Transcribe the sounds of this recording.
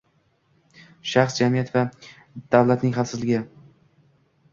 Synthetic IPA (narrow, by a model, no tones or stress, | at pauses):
ʃaχsd͡ʒamijat̪va | d̪̥awlat̪nɪŋɦalˠsɪzlɪɡʲɪ